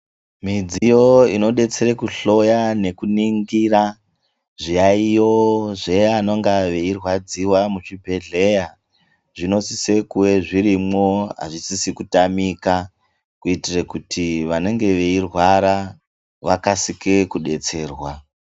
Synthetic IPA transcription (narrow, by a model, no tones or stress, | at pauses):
mid͡zijo̞ino̞ɗe̞t͡seɾekuɬo̞jane̞kuniŋɡira | ʐijaijo̞ʐeano̞ŋɡaʋe̞irwad͡ziwamut͡ʃibʱe̞ɮe̞ja | ʐino̞sise̞kuwe̞ʐiɾimo̞ɦa̰ʐisisikutamika | kuitirekutʰiʋane̞ŋɡe̞ʋeirwaɾa | ʋakasikekuɗe̞t͡se̞ːrwa